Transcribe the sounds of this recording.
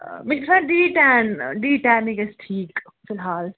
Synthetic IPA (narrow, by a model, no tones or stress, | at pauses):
mɪbsãɖiːʈɛ̃ːnɖiːʈɛ̃ːnikesʈʰiːk | fɪlɦaːl